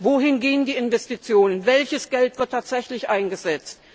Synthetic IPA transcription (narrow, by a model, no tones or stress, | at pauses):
voːɦɪnɡeːəndiːɪnvɛstit͡sjoːnənvɛlçəsɡ̥ɛltv̥ɪɐtʰaːtz̥ɛçlɪçʔaɪnɡəzɛt͡st̚